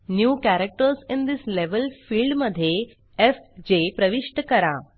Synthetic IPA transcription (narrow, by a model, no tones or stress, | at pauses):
njuːkæɾek̚ʈəɾsɪ̃nd̪isleʋəlfiːlɖməd̪ʱːje | efd͡ʑepɾəʋiʂʈəkəɾa̰